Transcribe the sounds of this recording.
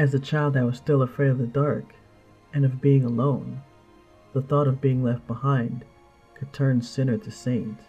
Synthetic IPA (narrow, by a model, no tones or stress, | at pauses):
ɨzðɨt͡ʃʰaɪlˠd̪̚ðɨt̚wʌz̥stɪlˠəfɹeɪɾʌvðɨdɑɹk | ɨ̃nʌvbiɪ̃ŋəlõʊ̃n | ðəθɔɾʌvbiɪ̃ŋlɛft̚b̥əhãɪ̃n | kʰɨd̚tʰɜ̃˞nsɪ̃nə˞ðɨsẽɪ̃nt